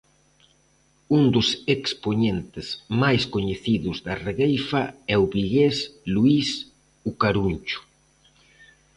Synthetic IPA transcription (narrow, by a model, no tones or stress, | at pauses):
und̪ʊsekspoɲent̪ɪzmajskoɲeθiðʊzðɐreɣejfɐɛʊβiɣesluis | ukaɾunt͡ʃʊ̥